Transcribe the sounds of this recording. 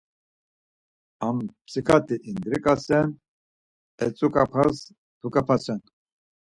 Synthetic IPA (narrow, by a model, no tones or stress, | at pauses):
ampʰsikʰat̪ʰʼiʔind̪ɾikʼasɛn | ɛt͡sʼukʼapʰaz | t̪ʰukʼapʰasɛn